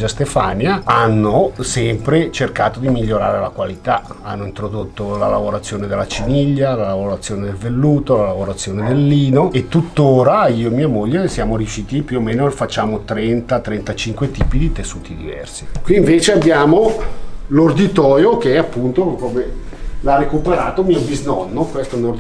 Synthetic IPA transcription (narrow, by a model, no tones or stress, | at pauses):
d͡ʒast̪efanjaanːosɛmpɾet͡ʃerkaːt̪od̪imiʎːoɾa̰ːɾelakwalit̪aanːoint̪ɾod̪ot̪ːolalavoɾat̪sːjoːned̪elːat͡ʃiniʎːalalavoɾat̪sːjoːned̪elvelːuːt̪olalavoɾat̪sːjoːned̪elːiːnoet̪ːut̪ːoːɾaiːomiːamoʎːesjaːmoɾjuʃiːt̪ipjuomeːnofat͡ʃːaːmot̪ɾɛnt̪at̪ɾɛnt̪at͡ʃiŋkwet̪iːpid̪it̪esːuːt̪id̪ḭvɛ̰rsikwiːɱveːt͡ʃeabːjaːmo | lord̪it̪ɔːjokeɛapːunt̪okome | larekupeɾaːt̪omiːobiznɔnːokwest̪ono